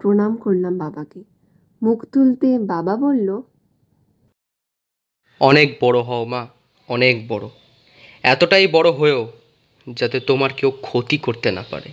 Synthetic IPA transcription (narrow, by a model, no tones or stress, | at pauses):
pɾonamkoɾlambabake | mukʰt̪ult̪ebababolːo | ɔnek̚bɔɽoɦɔoma | ɔnek̚bɔɽo | ɛt̪oʈajbɔɽoɦoeo | d͡ʑat̪et̪omaɾkewkʰot̪ikoɾt̪ena̰pa̰ɾḛ